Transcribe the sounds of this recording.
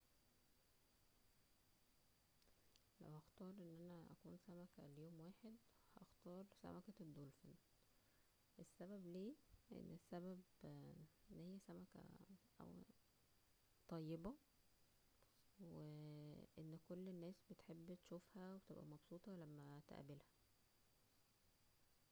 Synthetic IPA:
læ̰whɑxt̪ɑːɾˤʔenːʔænæʔæ̰kṵːnsæmækæljoːmwaːħed̪ | hæʔɑxt̪ɑːɾˤsæ̰mækæd̪ːolfen | ʔesːæbæbleːʔʔḛnːesːæbæb | enːhijːæsæmækæ̰ʔæ̰w | t̪ˤɑjːebɑ | weʔenːkolːnːæːsbet̪ħebːt̪ʃufhæwet̪ebʔæ̰mɑbsuːt̪ˤɑlæmːæt̪æ̰ʔæbelhæ̥

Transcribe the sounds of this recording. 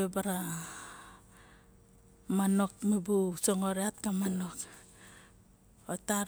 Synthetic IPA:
ebaɾa | mano̞k̚mibusoŋoɾeat̚kamanok | ota

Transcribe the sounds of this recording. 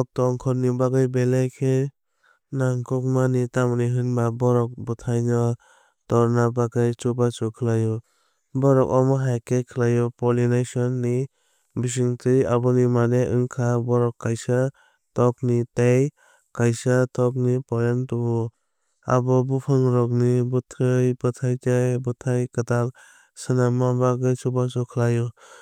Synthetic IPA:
ɔk̚tɔŋkʰɔɾnibaɡajbelajkʰe | naŋkʰɔk̚manitamniɦɯnbabɔɾɔk̚bɔtʰajnɔ | tɔɾnabaɡajt͡ʃubat͡ʃukʰɯlajɔ | bɔɾɔkɔmɔɦajkʰekʰɯlajɔpɔlinajsɔnːi | bis̬iŋtʰɯjabɔnimaneʔɯŋkʰabɔɾɔkːajsa | tɔk̚nitej | kajsatʰɔk̚nipɔɾentubɔ | a̰bɔbupʰɯŋɾɔk̚nibutʰɯjbɯtʰajtajbɯtʰajkatal | sɯnamabaɡajt͡ʃubasɔkʰəlajɔ

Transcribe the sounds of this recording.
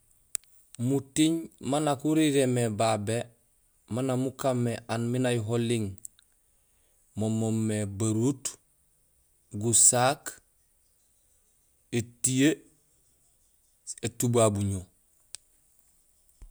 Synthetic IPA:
mutiɲmanakuɾiɾemebabe | manamukamːeʔanminajuɦoliŋ | momomːebaɾut | ɡusak | etije | etubabuɲo

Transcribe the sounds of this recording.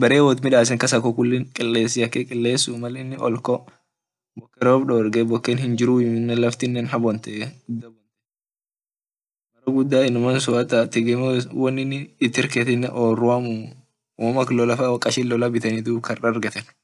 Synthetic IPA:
bɐɾeːwoːt̪mɪᶑaːs̬ɛŋkɐsɐkɔkʊlːɪnkʼɪlːeːsːɪɐkːekʼɪlːe̞ːsːumɐlnːɪʔɔ̰lkɔ | bɔkːɛɾoːfɗɔɛɾɡɛbɔkːenhɪnd͡ʒɪɾujɪnːɛlɐft̪ɪnːɛnɦɐbɔnt̪ɛɡʊd̪ːɐbɔnt̪ɛ̥ | mɐɾɐɡʊd̪ːaːɪnːʊmɐnsʊɐt̪ɐt̪ɪɡɛmwɐnːɪnːt̪ːɪɾkɛt̪ɪnːɛʔoːrʊamu | mɐklɔlɐfaːwɐkʼːɐʃɪlːɔlabɪt̪ɐnid̪ukɐrɐɐɾɡɐt̪ɛn

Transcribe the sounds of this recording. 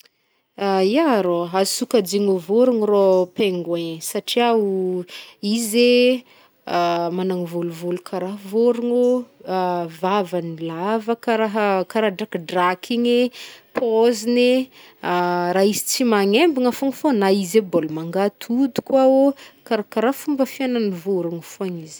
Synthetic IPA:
ajaɾoɦazsukad͡ʒiŋovoɾuŋiropeŋɡeɲsaʈ͡ʂiau | ize | amanaŋivoluvolukʰaɾaɦvoɾuŋo | vavanilavəkaɾaɦəkaɾaɖ͡ʐakɖ͡ʐakʰiɲepʰozine | aɾaizi̥t͡simaŋembuŋafoŋfonaizebolumaŋɡat̪ʰud̪u̥kwaokaɾakaɾafumbəfiananivoɾuŋufoaɲiz̥

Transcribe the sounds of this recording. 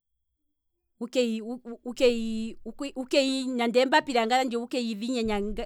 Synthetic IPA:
ukɛiukɛiukukɛiɲandɛmbapiɾaŋɡaɾand͡ʒɔukɛiðiɲaɲaɡa

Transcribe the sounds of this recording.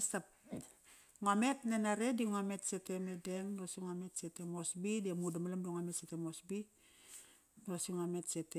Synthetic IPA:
stap̚ | ŋame̞tnenaɾe̞diŋame̞tsete̞medemdosiŋame̞tse̞temosbidemudamalamboŋame̞tsetemosbi | ɾosiŋome̞tse̞te

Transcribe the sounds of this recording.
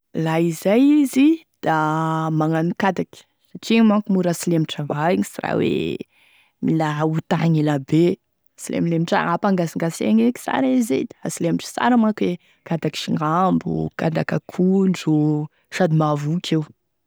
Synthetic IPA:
laizajizi | d̪̥amaŋanukad̪aki̥ | saʈ͡ʂimakumuɾasilemiʈ͡ʂavaiŋisira̰wḛ | milaɦut̪aŋilabe | silḛmilemiʈ͡ʂa̰apaŋɡaziŋɡasḛŋeki̥sa̰ɾized̪ḁasilemiʈ͡ʂə̥sa̰ɾamakwe | kad̪aki̥ʃiŋambṵkad̪akakʰuɳɖ͡ʐu | ʃad̪imavukʰew

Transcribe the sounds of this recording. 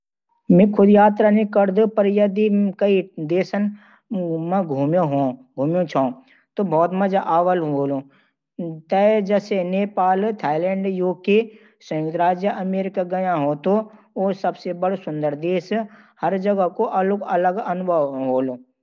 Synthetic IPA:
mẽkʰʊd̪jaːt̪ɾanĩkəɾd̪opɐɾjɐd̪ikɐid̪eːsən | mẽɡʱuːmjoɦõːɡʱuːmjõt͡ʃʰaõ | t̪obʱɔːt̪mɐd͡ʒaʔaːʋəlɦoːlo | t̪ɛd͡ʒɛːseneːpaːlt̪ʰaːɪlɛ̃ːɳɖjuːke | sə̃ːd̪ɾaːd͡ʒjəʔɐmeːɾɪkaɡɐjãɦot̪o | osɐbsebɐɽsʊ̃nd̪əɾd̪eːs | hɐɾd͡ʒɐɡəkoʔɐlɡɐləɡɐnʊbʱəʋɦoːloː

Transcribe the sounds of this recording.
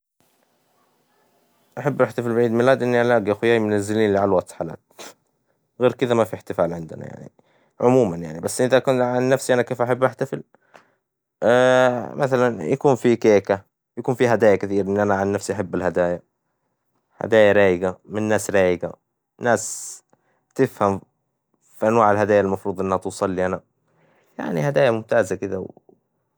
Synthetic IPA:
ʔaħabːʔaħt̪afɪlbʕiːd̪mɪlːaːd̪ʔɪnːiʔalaːɡiʔxʊjaːjmʊnazːɪliːnlɪʕalwat̪ħaːla̰ːt̪̚ | ɣeːɾkɪðamafiħt̪ɪfaːlʕɪnd̪ɪna̰ja̰ʕnḭ | ʕʊmuːmanja̰ʕnibasːʔɪðaʔkuːnʕanːafsiʔanakeːfʔaħabːʔaħt̪afɪl | mʔaθalanjakuːnfikeːka | jakuːnfiɦad̪aːjakɪθiːɾʔɪnːʔanaʕanːafsiʔaħabːalhad̪aːja | ha̰d̪aːjaɾaːjɪɡamɪnːaːsɾaːjɪɡa | naːs | t̪ɪfham | fiʔanwaːʕɪlhad̪aːjalmɑfɾuːd̪ˤʔɪnːhat̪uːsˤɑlːiʔana | ja̰ʕnihad̪aːjamʊmt̪aːzakɪd̪a̰w

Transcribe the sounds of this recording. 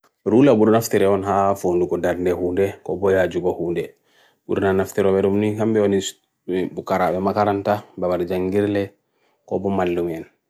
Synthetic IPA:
ɾulabudɔnaftiɾɛɔnɦafonduɡɔdaɾndɛhuːndɛkɔ̰bɔjad͡ʒuɡɔhuːndɛ | bṵdɔnanaftiɾɔbɛɾumnihambɛɔni | bukaɾaɓɛmakaɾantababaɾd͡ʒaŋɡiɾlɛ | kɔbɔmalːumɛn

